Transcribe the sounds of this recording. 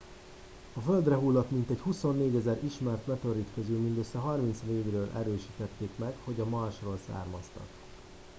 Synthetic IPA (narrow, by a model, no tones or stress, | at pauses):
ɒføld̪rɛɦulːɒt̪mint̪ɛchuso̞nːeːɟɛzɛɾiʃmɛrt̪mɛt̪øɾit̪køzylmind̪øsːɛɦɒrmint̪sneːɡrøːlʔɛ̰ɾøːʃiːt̪ɛt̪ːeːkmɛkho̞ɟɒmɒrʃroːlsa̰ːrmɒst̪ɒ̰k